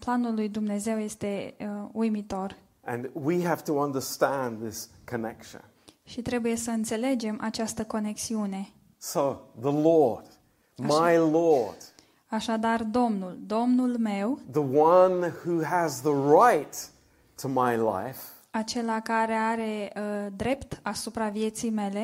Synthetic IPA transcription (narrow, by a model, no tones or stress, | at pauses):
planulːujd̪umne̞ze̞wje̞st̪e̞ujmit̪o̞r | ʔɨ̰̃nwiɦæftəʌ̃ndə˞stæ̃nðɪskʰɨnɛkʃɨ̰̃n | ʃit̪ɾe̞buje̞səɨnt̪se̞le̞d͡ʒe̞mʔat͡ʃast̪əko̞ne̞ksiune̞ | soʊðəlɔɹd̥ | maɪlɔɹd̥ | aʃad̪ard̪o̞mnuld̪o̞mnulme̞wðəwʌ̃nhuəzðəɹaɪtʰ | əmaɪla̰ɪf | at͡ʃe̞lakaɾe̞aɾe̞d̪ɾe̞pt̪asupɾavije̞t̪sijme̞le̞